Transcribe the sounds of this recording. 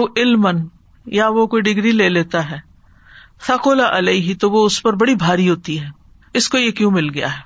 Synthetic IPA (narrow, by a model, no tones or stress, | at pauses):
oʔɪlmən | jaʋokoːiɖɪɡɾileːleːt̪aɦɛː | sʰɐqoːlaʔɐleiɦit̪oʋoʊspɐɾbɐɽibʱaːɾiɦoːt̪iɦɛː | ɪskojekjũmɪlɡɐja̰ɦɛː